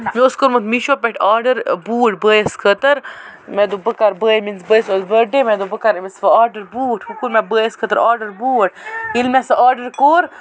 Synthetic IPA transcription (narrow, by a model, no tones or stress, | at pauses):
mioskoɾmət̪miʃopeʈʰaːɾɖəɾbuːʈbəːjəskʰət̪əɾmed̪ubəkaɾbəminsbəːjsolbəɖemed̪obəkaɾmisfɐaːɾɖəɾbuːʈʰhukuɾmɛbəːjəskʰət̪əɾʔaːɾɖəɾbuːʈ̚ʰilmesɐʔaːɾɖəɾkoːɾ